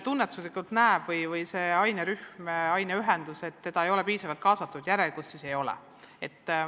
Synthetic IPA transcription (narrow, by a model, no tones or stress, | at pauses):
t̪unːet̪ːˑuslikˑult̪næeb̥vɤjvɯjse̞ːɑjneɾyhmɑjneyɦend̪̥use̞t̪ːe̞d̪̥ɑe̞jo̞le̞piːsɑvɑlt̪̚kɑːsɑt̪ːˑud̪̥jæɾe̞lɡ̥ussise̞jo̞lɛ̰ | e̞t̪ˑː